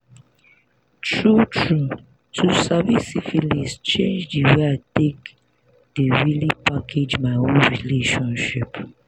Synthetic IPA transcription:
tʰɹutʰɹu | tʰusavisifilist͡ʃẽnd͡ʒdiweaɪtek | deɹilipakʰed͡ʒmaɪonɹileʃɔ̃nʃip

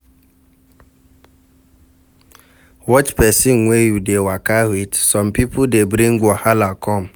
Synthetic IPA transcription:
wɔt͡ʃpɛsinŋʷejudewakaɦwitsɔmpipʊdebɾĩŋɡʷɔhalakʰɔm̩

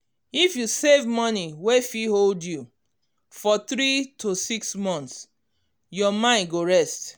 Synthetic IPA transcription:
ifjusevmɔniwefiholdju | fɔθɹitʰosiksmɔ̃nt̪s | jɔmãɪ̃nɡoɹɛst

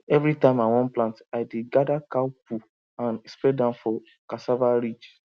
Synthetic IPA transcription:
ɛvɾitãɪ̃maɪwɔ̃nplãntaɪdeɡadakawpu | ãnɛspɛdãnfɔ | kasavaɾid͡ʒ

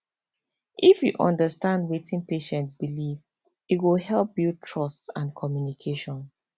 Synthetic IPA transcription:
ʔifjuʔɔ̰̃ndəstãndwetʰĩnpeʃɛ̃ntsbiliv | itwilhɛlp̚biutʰɹɔstãnkʰɔmjunikʰeʃɔ̃n

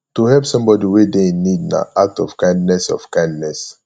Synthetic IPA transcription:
tuhɛlpsɔ̃mbɔdiwedenidna̰ʔatɔv̥kãɪ̃ndnɛsɔ̰v̥kãɪ̃ndnɛs

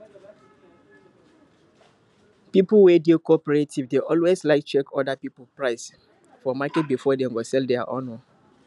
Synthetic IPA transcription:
pipwedikɔpəɹetivdeʔɔlweslaɪk̚t͡ʃɛkʰɔdapipl̩pɹaɪs | fɔmakɛt̚bifɔdẽŋɡɔsɛldɛaʔɔnɔ

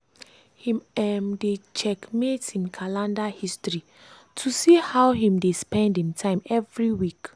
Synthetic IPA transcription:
hĩmɛmdet͡ʃɛkmetĩnkʰalãndahistɹi | tʰusihawɦĩmdespɛ̃ndĩmtʰãɪ̃mɛvɹiwik

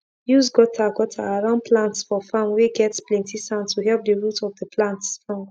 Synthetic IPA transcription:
jusɡɔtʰaɡɔtʰaːɹãnpʰlãntsfɔfãmweɡɛtsplɛ̃ntisãʊ̃ntʰuɦɛlp̚dəɹutʰɔvdəpʰlãntsfɔ̃m

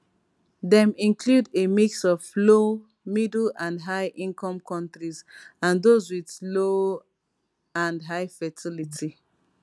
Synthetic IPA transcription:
dɛ̃mĩnkʰludemiksɔvlo | midl̩ãndɦaɪʔĩnkɔ̃mkʰɔ̃ntɹizãndozwiðlo | ãndɦaɪfɛtʰilitʰi

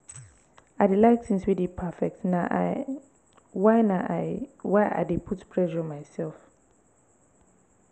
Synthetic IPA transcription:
aɪdelaɪksĩnswidipʰafɛk̚tnaʔ | waɪnaʔawaɪa̰depʰutpʰɹɛʃɔmaɪsɛlf

